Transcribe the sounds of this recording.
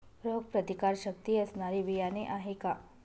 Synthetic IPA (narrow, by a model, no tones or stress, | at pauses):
ɾoːɡ̚pɾɐt̪ikaːɾʃək̚t̪iɐsnaːɾiʋijaːneʔaːɦekaː